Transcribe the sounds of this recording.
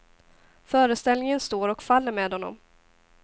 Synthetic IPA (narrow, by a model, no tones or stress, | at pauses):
fœːɾəst̪ɛlnɪŋənst̪oːɾɔkfalːəɾmeːd̪hɔnːɔ̰m